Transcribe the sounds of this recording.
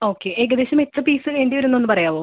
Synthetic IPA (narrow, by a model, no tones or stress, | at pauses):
o̞ːkːeʔeːɡɐd̪eːɕɐmet͡ɕːɐpiːsɨneɳɖiʋɐɾunːonːɨpɐrɐjaːʋoː